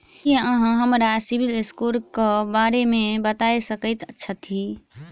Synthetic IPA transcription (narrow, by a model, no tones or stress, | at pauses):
eəɦãɦəmɾasibilɪskulkebaːɾemẽbət̪aːesəkəɪt̪ətːʃʰət̪ʰi